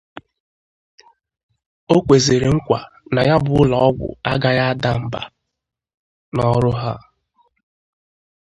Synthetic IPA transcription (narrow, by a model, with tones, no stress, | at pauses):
o˦kʷe˨ze˨ɾe˨ŋ̩˦kʷa˨ | na˨ja˦bʊ˨ʊ˦lɔ˨ɔ˦ɡʷʊ̰˨a˦ɡa˦ja˦da˦m̩˨ba̰˨ | nɔ˦ɾʊ˦ɦa̰˦